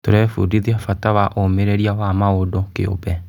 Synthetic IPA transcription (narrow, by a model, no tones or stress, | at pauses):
toɾɛfudiðiafatawaʔomeɾɛɾiawamaodɔkḛo̰bɛ